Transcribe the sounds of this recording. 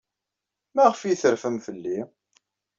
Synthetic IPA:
mæʁəfijθəɾfəmfəlːi

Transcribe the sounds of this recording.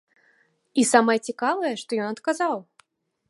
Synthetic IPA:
isamɐjɛt͡sʲikavɐjɛʂt̪ɔjɔnɐt̪kazaw

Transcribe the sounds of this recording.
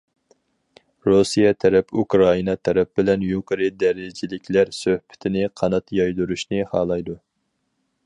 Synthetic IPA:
ɾusijɛt̪ʰɛɾɛpukɾɑinɑt̪ʰɛɾɛp̚bɪlɛnjuqəɾɨd̪ɛɾɪd͡ʒɪlɪkʲlæɾsøhbɪ̥t̪ʰɪnɪqʰɑnɑt̪jɑjd̪uɾuʃnɪhɑːlˠɑjd̪u

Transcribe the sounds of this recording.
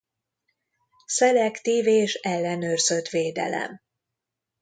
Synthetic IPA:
sɛlɛkt̪iːveːʃɛlːɛnøːrz̥øt̪veːd̪ɛ̰lɛ̰m

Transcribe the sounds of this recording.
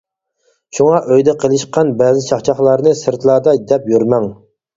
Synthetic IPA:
ʃuŋɑʔøjd̪ɛqʰəlˠɨʃqɑnbɛːzɪt͡ʃʰɑχt͡ʃʰɑχlˠɑɾnɨsɨɾt̪ʰlˠɑːd̪ɑd̪ɛpjyɾmɛŋ

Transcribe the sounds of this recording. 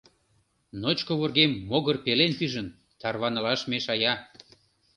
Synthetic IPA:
not͡ɕkoβorɣemːoɣərpelenpyʒən | t̪ɑrβɑnɤ̆lɑʃmeʃɑjɑ

